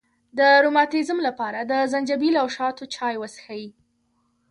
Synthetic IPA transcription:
d̪əɾomɑt̪izmlapɑɾad̪əzand͡ʒabilawʃɑt̪ot͡ʃɑjwəsxawi

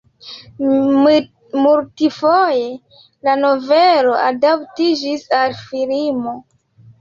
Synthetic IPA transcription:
muɾtifoje̞ | lano̞velo̞adaptid͡ʒisalfilimo̞

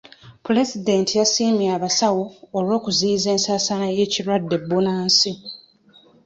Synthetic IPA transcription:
pule̞zide̞ntijasiːmiaːβasawoːlwo̞ːkuzize̞ːnsaːsanaje̞cilwadːe̞bːunaːnsi

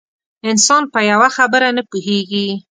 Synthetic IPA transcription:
ɪnsɑnpəjawaxabəɾanəpuɦeɡi

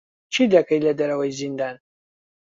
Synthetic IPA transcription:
t͡ʃʰid̪ɐkʰɐjlɐd̪ɐɾɐwɐjzind̪aːn

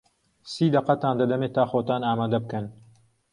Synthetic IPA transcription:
siːd̪ɐqɐt̪aːnlɐd̪ɐmeːt̪aːxoːt̪aːnaːmaːd̪ɐbɨkɐn

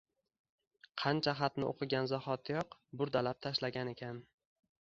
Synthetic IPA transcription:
qʰɑnt͡ʃʰaχɑt̪nɪ̰ʔo̰qʰɨɡʲanzaχɒt̪ʰɪjɒqbʊɾd̪alap̚t̪ʰaʃlaɡʲane̞kʲʰan

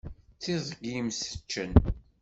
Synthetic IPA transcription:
t͡sːiðˤɡimsə̥t͡ʃːən

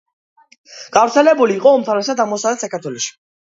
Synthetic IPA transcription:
ɡ̥avɾt̪sʰɛlɛbuliːqʼɔɔmt̪ʰaɾɛs̬ad̪amɔsad̪ɛt̪sakaɾt̪ʰwɛlɔʃi̥

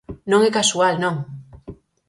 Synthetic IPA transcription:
nõŋekasualnõŋ

